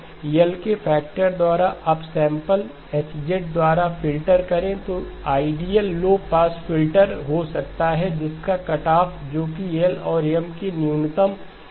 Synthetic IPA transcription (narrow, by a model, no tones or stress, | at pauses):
jəlkefʰɛːk̚ʈəɾd̪waːɾaʔɐbsɛ̃ːmpəl | ɛt͡ʃd͡ʒeʈ̚d̪waːɾafʰɪlʈəɾkɐɾẽt̪oaːɪɖijəlːoːpaːsfɪlʈəɾɦosɐkt̪aɦɛd͡ʒɪskakɐʈaːpd͡ʒoːkijelɔːɾjəmkinjuːnt̪əm